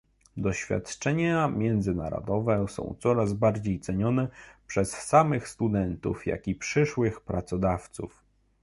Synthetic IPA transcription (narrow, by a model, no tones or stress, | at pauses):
d̪ɔɕfʲja̰t̪t͡ʂɛɲamʲjɛnd̪zɘna̰ɾɔ̰d̪ɔvɛsɔ̰̃w̃t̪sɔɾazbaɾd͡ʑejt̪sɛɲɔnɛpʂɛsːamɘxst̪ud̪ɛnt̪ṵfja̰kʲipʂɘʂwɘxpɾat̪sɔd̪aft̪sṵf